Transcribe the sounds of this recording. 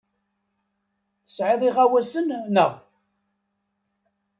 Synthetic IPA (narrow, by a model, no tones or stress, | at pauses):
θə̥sʕɪðˤiʁawæsənnəʁ